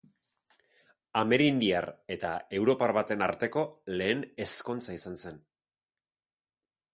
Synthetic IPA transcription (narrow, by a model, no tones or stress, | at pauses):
ame̞ɾind̪iaɾe̞t̪ae̞wɾo̞paɾβat̪e̞naɾt̪e̞ko̞le̞ːne̞sko̞nt͡saisanse̞n